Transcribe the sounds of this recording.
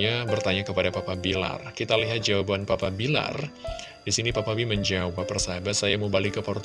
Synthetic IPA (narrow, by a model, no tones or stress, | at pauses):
abərt̪aɲakəpadapapabila̰rkit̪aliɦat̪̚d͡ʒawabanpapabila̰r | disinipapawiməɲd͡ʒaupaparsabasajaməbalikəpaɾt̪